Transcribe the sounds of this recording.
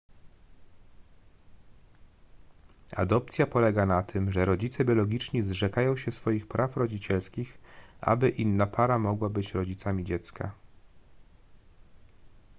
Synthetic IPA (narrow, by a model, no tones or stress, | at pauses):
a̰d̪ɔp̚t̪sʲjapɔlɛɡanat̪ʰɘmʐɛɾɔd͡ʑit̪sɛbʲjɔlɔɡʲit͡ʂɲizʐɛkajɔ̃w̃ɕɛsfɔjixpɾafɾɔd͡ʑit͡ɕɛlskʲixʔa̰bɘʔinːapʰaɾamɔɡwabɘt͡ɕɾɔd͡ʑit̪samʲid͡ʑɛt̪ska̰